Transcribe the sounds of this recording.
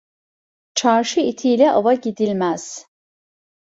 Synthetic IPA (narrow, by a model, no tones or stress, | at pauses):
t͡ʃʰaɾʃɯit̪ʰiːjlʲɛʔavaɟid̪ilʲmæz̥